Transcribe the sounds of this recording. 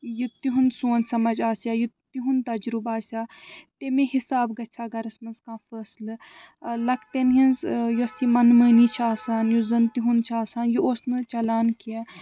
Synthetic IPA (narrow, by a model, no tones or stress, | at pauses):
jut̪iɦunsuːnsɐmɐd͡ʒaːsaːjut̪iɦunt̪ɐd͡ʒɾubaːsʲaːt̪emẽːɦisaːbɡɐt͡ʃʰaːɡɐɾɐsmɐnzkãːfəːslɨ | lɐkt̪enɦinzjusimɐnməːnit͡ʃʰaːsaːnjuzɐnt̪iɦunt͡ʃʰaːsaːnjuoːsnɨt͡ʃɐlaːnkia